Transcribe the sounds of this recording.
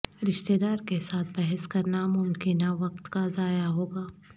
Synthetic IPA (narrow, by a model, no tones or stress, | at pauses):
ɾɪʃt̪eːd̪aːɾkesaːt̪̚ʰbɛɦɛskɐɾnamʊmkɪnaʋɐqt̪kazaːjaɦoːɡaː